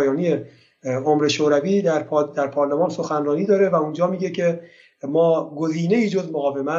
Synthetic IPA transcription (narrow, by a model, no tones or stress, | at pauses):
jɒːnie | omɾe̞ʃoːɾæviːd̪æɾd̪æɾpʰɒːɾlemɒːnso̞xænrɒːniːd̪ɒːɾe̞væund͡ʒɒːmiːɟe̞cʰe̞ | mɒːɡoziːne̞iːd͡ʒozmoɣɒːve̞mæ